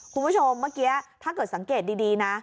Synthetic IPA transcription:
kʰu˧nbʰu˥˩t͡ɕʰo˧mːa˥˩ki˦˥a˨˩t̪ʰaː˥˩kɤː˨˩t̪̚sa˩˦ŋkeː˨˩t̪̚diː˧diː˧na˦˥

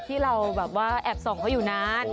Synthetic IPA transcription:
t̪ʰiː˥˩ɾa˧wbɛː˨˩p̚waː˥˩ʔɛː˨˩p̚sɔː˩˦ŋkʰa˦˥wjuː˨˩naː˦˥n

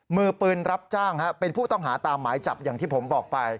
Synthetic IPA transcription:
mɯː˧pɯː˧nɾa˦˥p̚t͡ɕaː˥˩ŋha˦˥pe˧npʰuː˥˩t̪ɔ˥˩ŋɦaː˩˦t̪aː˧mːaː˩˦jt͡ɕa˨˩p̚jaː˨˩ŋt̪ʰiː˥˩pʰo˩˦mbɔː˨˩k̚pa˧j

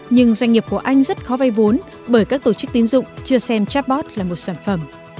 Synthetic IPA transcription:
ɲɨ˧ŋzwa˧jŋ̟ŋi˨˩əp̚ku˧˩əʔa˧jŋ̟zə˦˥t̚xɔ˨˦va˧jvo˨˦n | ɓəː˧˩jkaː˦˥k̚t̪o˧˩t͡ɕɨ˦˥k̚t̪i˨˦nzʊ̰˧˨ŋ͡mt͡ɕɨ˧əsɛ˧mt͡ɕa˦˥p̚ɓɔ˦˥t̚laː˨˩mo˨˩t̚saː˧˩nfə˧˩m

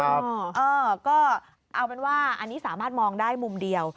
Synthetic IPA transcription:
ʔɤː˧kɔː˥˩ | ʔa˧wpe˧nwaː˥˩ʔa˧nːiː˦˥saː˩˦maː˥˩t̪̚mɔː˧ŋdaː˥˩jmu˧mdi˧əw

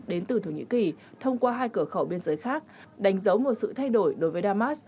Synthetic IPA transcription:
ɗe˨˦nt̪ɨ˨˩t̪ʰo˧˩ɲḭ˧˥ki˨˩t̪ʰə˧wŋ͡mkwaː˧ɦaː˧jkɨ˧˩əxə˧˩wɓi˧ənzəː˨˦jxaː˦˥k̚ | ɗa˨˦jŋ̟zə˨˦wmo˨˩t̚sɨ̰˧˨t̪ʰa˧jɗo˧˩jɗo˨˦jvəː˨˦jɗaː˧maː˦˥s

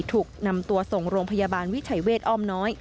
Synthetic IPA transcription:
t̪ʰuː˨˩k̚na˧mt̪u˧ɐso˨˩ŋɾoː˧ŋpʰa˧ja˧baː˧nwi˦˥t͡ɕʰa˩˦jweː˥˩t̪̚ʔɔː˥˩mnɔː˦˥j

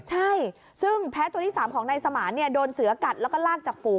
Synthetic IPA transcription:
t͡ɕʰa˥˩j | sɯ˥˩ŋpʰɛː˦˥t̪u˧ət̪iː˥˩saː˩˦mkʰɔː˩˦ŋna˧jsa˧maː˩˦nːi˥˩ɐdoː˧nsɯ˨˩˦ɐka˨˩t̪̚lɛ˦˥kɔː˥˩laː˥˩k̚t͡ɕaː˨˩k̚fuː˨˩

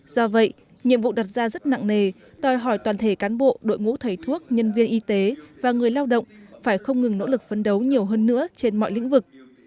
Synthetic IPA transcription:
z̥ɔ˧və̰˧˨j | ɲḭ˧˨əmvṵ˧˨ɗa˨˩t̚zaː˧zə˦˥t̚na̰˧˨ŋne˨˩ | t̪ɔ˨˩jɦɔ˧˩jt̪waː˨˩nt̪ʰe˧˩kaː˨˦nɓo̰˧˨ɗo̰˧˨jŋṵ˧˥t̪ʰə˨˩jt̪ʰu˦˥ək̚ɲə˧nvi˧ənʔi˧t̪e˨˦vaː˨˩ŋɨ˨˩əjlaː˧wɗə̰˧˨wŋ͡mfaː˧˩jxə˧wŋ͡mŋɨ˨˩ŋno̰˧˥lɨ˨˩k̚fə˧nɗə˨˦wɲi˨˩əwɦəː˧nːɨ̰˧˥ət͡ɕe˧nmɔ̰˧˨jlḭ˧˥ŋvɨ˨˩k̚

